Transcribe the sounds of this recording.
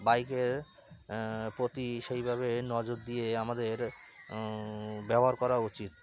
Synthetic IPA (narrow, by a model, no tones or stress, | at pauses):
bajkeɾ | pɾot̪iʃejbʱaβenɔd͡ʑoɾd̪ijeamad̪eɾ | bɛboɦaɾkɔɾaut͡ɕit̪̚